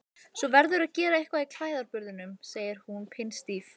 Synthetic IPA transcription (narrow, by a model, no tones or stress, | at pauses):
svɔvɛɾðʏɾaðcɛːɾaehkvaikʰl̥vaːjðaɾpʏɾðɪnʏmseːjɪɾ̥hunpʰɪnst̪iːf